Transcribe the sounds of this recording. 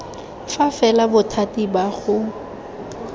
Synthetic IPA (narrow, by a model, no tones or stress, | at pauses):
fafɛlabʊtʰatibaɣʊ